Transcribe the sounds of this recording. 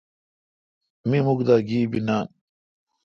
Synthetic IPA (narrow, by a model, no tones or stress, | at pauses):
mimukd̪aːɡiːbinaːn